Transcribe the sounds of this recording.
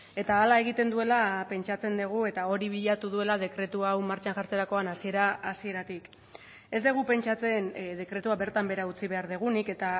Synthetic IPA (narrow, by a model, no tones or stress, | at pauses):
e̞t̪aːlae̞ɣ̞it̪e̞nd̪ue̞lape̞nt͡ʃat͡se̞nd̪eɣ̞ue̞t̪ao̞ɾiβ̞iʎat̪uð̞ue̞lað̞e̞kɾe̞t̪uawmaɾt͡ʃaŋʝaɾt͡seɾako̞anasie̞ɾaːsie̞ɾat̪ik | e̞zd̪eɣ̞upe̞nt͡ʃat͡se̞nðe̞kɾe̞t̪uaβe̞ɾt̪ambe̞ɾaut͡siβe̞aɾðeɣ̞unike̞t̪a